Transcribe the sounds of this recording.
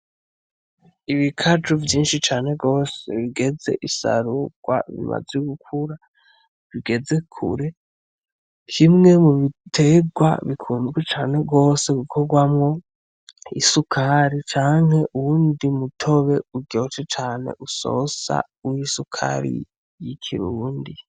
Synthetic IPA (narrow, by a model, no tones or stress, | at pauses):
iβikʰad͡ʒuvjiːnʃit͡ʃaːne̞ɡo̞ːsḛβiɡe̞ze̞̰ʔisa̰ɾuɡ̥wa̰βḭma̰zeuɡukʰuɾa | βiɡe̞ze̞kʰṵɾe̞ | kʰimŋe̞muβitʰe̞ɡwa̰βikʰuːnzɡwet͡ʃaːne̞ɡo̞ːse̞ɡukʰoɡwamŋo̞ | isukʰaɾit͡ʃaːŋhe̞ʔuwuːndimutʰo̞βe̞uɟo̞t͡ʃet͡ʃaːne̞̰ʔuso̞̰sa̰ | uwisukʰa̰ɾḭ | jikʰḭɾuːndi